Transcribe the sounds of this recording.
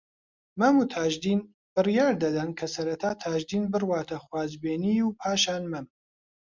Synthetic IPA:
mɐmuːt̪ʰaːʒd̪iːn | b̥ɨrjaːɾd̪ɐd̪ɐnkʰɐsɐɾɐt̪ʰaːt̪ʰaːʒd̪iːnbɨrwaːt̪ʰɐxwaːzbeːniːjuːpʰaːʃaːnmɐm

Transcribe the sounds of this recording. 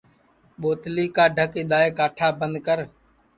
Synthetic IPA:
ɓoːt̪liːkaːɖʱəkɪɗ̪aːeːkaːʈʰaːbənd̪kəɾ

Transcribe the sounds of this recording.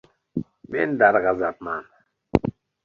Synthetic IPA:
mend̪aɾɣazat̪̚man

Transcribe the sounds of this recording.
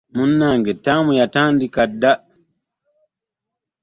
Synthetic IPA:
munːaŋɡetamujataːndikada

